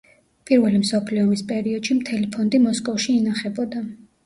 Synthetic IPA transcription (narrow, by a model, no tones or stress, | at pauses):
pʼiɾvɛlimsɔpʰliɔmispʼɛɾiɔd̪̥ʃimt̪ʰɛlipʰɔnd̪imɔskʼɔfʃiːnaχɛbɔd̪a